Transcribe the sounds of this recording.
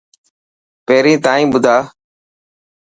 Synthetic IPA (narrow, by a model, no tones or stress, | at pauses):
peːɾĩːt̪aːĩːbʊd̪ʱaː